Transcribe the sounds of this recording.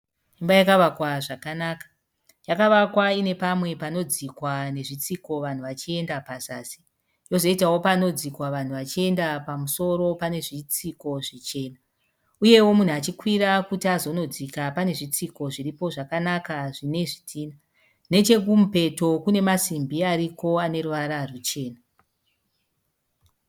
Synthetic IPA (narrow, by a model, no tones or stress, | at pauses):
embajakaʋakwaʐakanaːkḁ | jakaʋakwaine̞pamwe̞pano̞d͡zikwane̞ʐit͡siko̞ʋan̤uʋat͡ʃie̞ndapasaːsi̥ | jo̞zo̞itawo̞pano̞d͡zikwaʋan̤uʋat͡ʃie̞ndapamuso̞ɾo̞pane̞ʐit͡siko̞ʐit͡ʃe̞ːna | uje̞wo̞mun̤uat͡ʃikwiɾakutiazo̞no̞d͡zikapane̞ʐit͡siko̞ʐiripo̞ʐakanakaʐine̞ʐitʰiːna | ne̞t͡ʃe̞kumupe̞to̞kune̞masimbiaɾiko̞ane̞ruʋaɾarut͡ʃe̞ːna